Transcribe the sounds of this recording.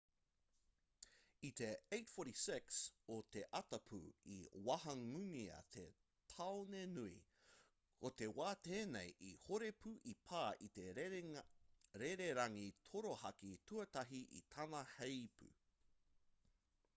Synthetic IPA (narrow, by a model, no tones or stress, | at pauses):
it̪e̞ejtfoɾisɪksot̪e̞ʔɐtɐpʰṵḭwɐhɐŋʉŋiɐ̰t̪ʰḛ | t̪ʰɐonenuḭ | kot̪e̞waːt̪eːnḛjʔihoɾe̞pʰʉʔipʰaːʔit̪e | ɾeɾeɾɐŋit̪ʰoɾohɐkit̪ʰuɐt̪ɐɦiʔḭt̪ʰɐnɐhejpʰʉ̰